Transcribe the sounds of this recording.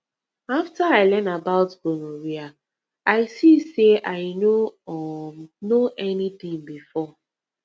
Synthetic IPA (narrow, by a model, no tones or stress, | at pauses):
aftaaɪlɛ̃nabaʊtbonoɹia | aɪsiseʔaɪno | noʔɛnit̪ĩŋbifɔ